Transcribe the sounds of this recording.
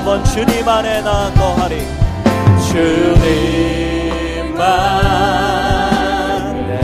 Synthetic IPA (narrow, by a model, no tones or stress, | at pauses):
bʌnt͡ɕʰunimanenakʌɦaɾi | t͡ɕʰuni | ma